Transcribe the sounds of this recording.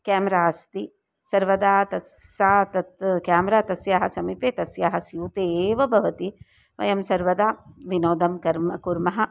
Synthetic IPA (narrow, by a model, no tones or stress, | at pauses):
kɛːmɐɾaːɐst̪i | sɐɾʋɐd̪aːt̪ɐsaːt̪ɐt̪kaːmɐɾaːt̪ɐsjaːɦɐsɐmipeːt̪ɐsjaːɦɐsjuːt̪eːʋɐbʱɐʋɐt̪i | ʋɐ̰jɐmsɐɾʋɐd̪aːʋinoːd̪ɐmkɐɾmɐkuɾmɐɦɐ̆